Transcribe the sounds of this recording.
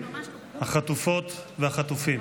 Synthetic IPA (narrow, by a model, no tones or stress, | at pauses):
haχat̪ufot̪vehaχat̪ufim